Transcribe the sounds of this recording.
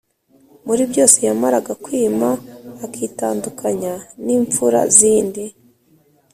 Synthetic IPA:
muɾibjo̞ːse̞jamaɾaɡakwiːmaːkiːtaːndukʰaɲaniːɱfuɾa̰ziːndi

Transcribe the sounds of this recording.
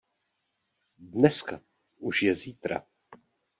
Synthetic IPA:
dnɛska | ʔuʃjɛziːt̪ɾa̰

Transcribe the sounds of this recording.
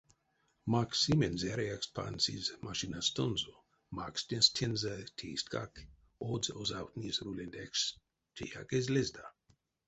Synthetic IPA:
maksimenzɛɾeakspʰa̰nsḭzmaʃinast̪onzo | makst̪enstʰenzatʰestɡak | odzozawt̪nizɾulend̪ɛks | t͡ʃʰḛja̰kezlezd̪a

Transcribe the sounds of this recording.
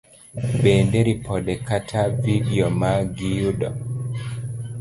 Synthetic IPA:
ɓɛndeɾipʰɔdɛkatʰavidiɔmaɡijuɗɔ

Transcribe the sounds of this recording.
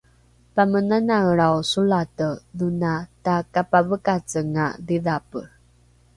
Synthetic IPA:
pamənanaɭawsulatəðunatakapavəkat͡səŋa̰ðiðapəɾ

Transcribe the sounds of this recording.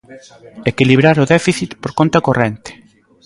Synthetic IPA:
ekiliβ̞ɾaɾoðɛfiθit̪poɾkont̪akorɛnt̪e̥

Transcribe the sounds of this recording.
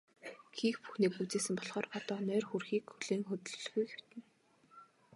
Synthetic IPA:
xiːxpu̥xniːk̚put͡seːsɘ̆mpɔɮχɔːrpɔt̪ɔːnœːrxurxiːkxuɮeːŋxɵt̪ɵ̆ɮɮɣujɡew̥t̪ɘ̆n

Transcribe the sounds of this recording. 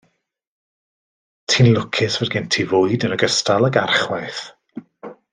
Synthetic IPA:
tʰɪnlˠʊkʰɪsvɛrɡɪntʰivʊːɨdənəɡəstalˠəɡarχwajθ

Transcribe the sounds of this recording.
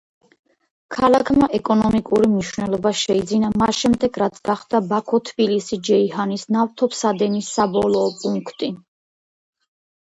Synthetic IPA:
kʰalˠakʰmaʔɛkʼɔnɔmikʼuɾimniʃvnɛlˠɔbaʃɛid̪zinamasʃɛmd̪ɛɡɾat̪sʰɡaχd̪̥abakʰɔt̪ʰbilisid͡ʒɛiɦanisnaft̪ʰɔpʰsad̪ɛnisːabɔlˠɔːpʼuŋkʰt̪ʼi

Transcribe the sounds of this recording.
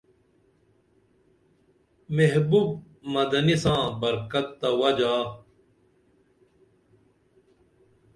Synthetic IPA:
meɦbub̚ | mɐd̪ɐnisãːbɐɾkɐt̪ːɐwɐd͡ʑaː

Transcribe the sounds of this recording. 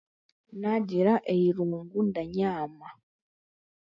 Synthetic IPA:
naɟiɾaʔejiɾuːŋɡundaɲaːma

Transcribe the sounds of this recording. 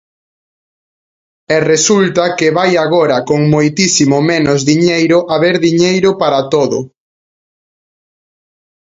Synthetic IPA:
ɛresult̪ɐkɪβajaɣoɾɐkoŋmojt̪isimomẽnʊzðiɲejɾʊʔaβeɾðiɲejɾʊpaɾat̪oðʊ̰

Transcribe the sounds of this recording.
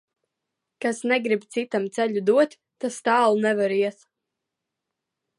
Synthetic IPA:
kasnɛɡɾibt̪sit̪amt̪sɛʎʲud̪uɔt̪ʲːast̪aːlˠunɛvaɾiɛs

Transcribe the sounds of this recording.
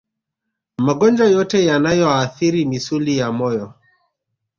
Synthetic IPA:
maɡɔnd͡ʒajɔtɛjanajɔaθiɾimisulijamɔjɔ

